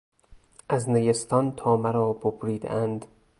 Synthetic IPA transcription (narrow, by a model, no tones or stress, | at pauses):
ʔæzneɡest̪ʰɒnt̪ʰɒːmæɾɒːbobɾiːd̪ḛʔænd̪